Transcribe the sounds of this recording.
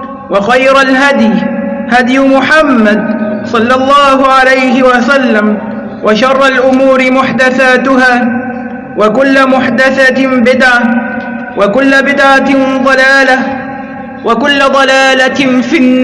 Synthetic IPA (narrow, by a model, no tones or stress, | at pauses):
wɑxajɾalɦad̪jhad̪jʊmʊħamːad̪sˤɑlːɑlˤːɑːɦʊʕalajɦɪwasalːam | wʔaʃɑrˤːɑlʔʊmuːɾɪmʊħd̪aθaːt̪ʊɦaː | wakʊlːamʊħd̪aθabɪd̪ʕa | wakʊlːabɪd̪ʕatɪd̪ˤɑlaːla | wakʊlːad̪ˤɑlaːlafinː